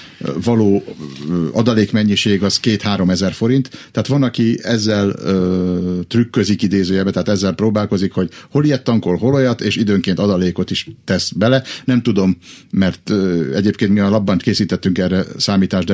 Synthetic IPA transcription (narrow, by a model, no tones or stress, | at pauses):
vɒloː | ɒd̪ɒleːkmɛɲːiʃeːɡɒzkeːt̪haːɾo̞mɛzɛrfo̞ɾint̪ːɛaːt̪ʋɒnɒkiɛzːɛløt̪rykːøzikid̪eːzøːjɛbɛt̪ɛɦːt̪ɛzːɛlproːbaːlko̞zikho̞ɟho̞lijɛt̪ːɒŋko̞lɦo̞lo̞jɒt̪eːʃid̪øːŋkeːnt̪ɒd̪ɒleːko̞t̪iʃt̪ɛsbɛlɛnɛmt̪ud̪o̞mːɛrt̪ɛɟeːpkeːnt̪miɒlɒbːɒnt̪keːsiːt̪ɛt̪ːyŋkɛrːɛsaːmiːt̪aːʒd̪ɛ